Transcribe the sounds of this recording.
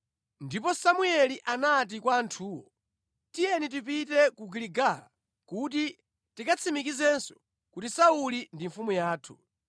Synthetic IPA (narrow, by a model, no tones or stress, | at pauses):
ndipɔsamuɛliʔanat̬ikwaːntʰuːwɔ̰ | tijɛnit̬ipitɛkuɡiliɡala̰ | kut̬i | tikat͡sʰimikizɛnsɔ̥ | kutisaulindiɱfumujaːtʰu̥